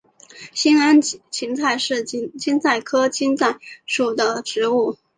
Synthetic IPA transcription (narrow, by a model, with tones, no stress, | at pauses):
ɕi˥na˥nt͡ɕʰi˧˥ŋt͡sʰa˥˧ɪʂɻ̩˥˩˥t͡ɕi˥nt͡sa˥˩ɪkʰɤ˥t͡ɕi˥nt͡sa˥˩ɪʂu˨˩d̪ə˦ʈ͡ʂɻ̩˧˥u˥˩